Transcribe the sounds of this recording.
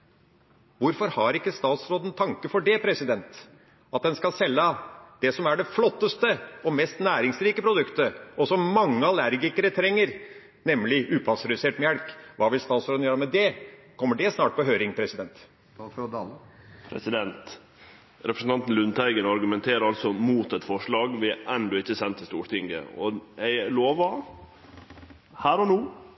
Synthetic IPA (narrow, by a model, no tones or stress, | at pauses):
ʋʊɾfɔɾhɑɾɪkːəst̪ɑːt̪sɾoːd̪ən̩t̪ʰɑŋkəfɔɖɛpʰɾɛsɪd̪ɛnt̪ | ɑt̪̚d̪ɛnskɑlsɛlːəd̪̥ɛsɔmæɖɛflɔt̪ːəst̪əɔmɛst̪næːɾɪŋsɾiːkəpʰɾʊd̪ʉkt̪əɔsɔmmɑŋːəɑlæɾɡɪkəɾət̪ʰɾɛŋːəɾ | nɛmlɪʔʉːpʰɑsɾɛʉseːʈmjælkʋɑːʋɪlst̪ɑːt̪sɾoːd̪n̩jøːɾəmɛd̪ɛkʰɔmːəɖɛsnɑːʈ̚pɔɦøːɾɪŋpʰɾɛsɪd̪ɛnt̪ | pʰɾɛ̰sɪd̪ɛnt̪ | ɾɛpɾəsn̩ɑnt̪n̩lʉnt̪ʰæɪɡənɑɾɡʉmɛnt̪ʰeːɾəɾɑlsɔmuːt̪ɛt̪fɔʂɭɑːɡʋɪʔɛnd̪ɔɪçːəsɛnt̪ʰːɪst̪uːʈ̪ɪŋɡə̰ɔ̰ɛloːʋə | hæːɾɔnuː